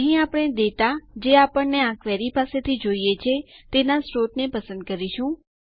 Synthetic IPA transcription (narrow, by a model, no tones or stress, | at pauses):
ɦĩapəɽ̃ed̪et̪ad͡ʒeapəɳneãkʋeɾipaset̪ʰid͡ʒoijet͡ʃʰet̪enasɾot̪nepəsə̃nd̪̚kəɾiʃũ